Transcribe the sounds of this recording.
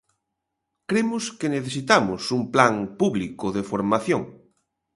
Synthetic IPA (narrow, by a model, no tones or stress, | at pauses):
kɾemʊskeneθesit̪amʊsumplaŋpuβlikʊðefoɾmaθjõŋ